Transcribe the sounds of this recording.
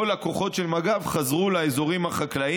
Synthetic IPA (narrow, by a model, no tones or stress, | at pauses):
olako̞χo̞tʃelmaɡavχazʁulaezoʁimhaχaklai